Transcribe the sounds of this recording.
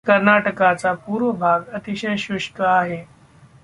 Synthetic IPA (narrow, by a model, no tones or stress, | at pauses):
kəɾnaʈəkat͡sapuːɾʋəbʱaːɡɐt̪iɕəjɕʊʃkəaːɦe